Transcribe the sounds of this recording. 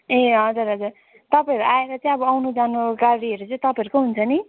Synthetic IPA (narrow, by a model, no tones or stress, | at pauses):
eɦʌd͡zuɾɦʌd͡zur | t̪ʌpãʌɾuʔaeɾʌt͡sʌĩʌbʌawnud͡zanuɡarɽiɦʌɾut͡sʌĩt̪ʌpãjʌɾukoɦunt͡sʰʌni